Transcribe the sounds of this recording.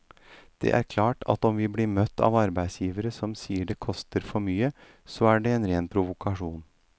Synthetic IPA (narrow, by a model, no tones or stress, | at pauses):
d̪̥ɛ̰ʔæ̰ɾkʰlɑːʈɑ̰t̪ɔmʋɪbliːmœt̪ʰːɑ̰ːʋɑɾbæɪsjiːʋəɾəsɔmsiːəɖɛkʰɔst̪əɾfɔɾmyːə | sɔæɖɛɛːnɾeːnpʰɾʊʋʊkʰɑʂuːn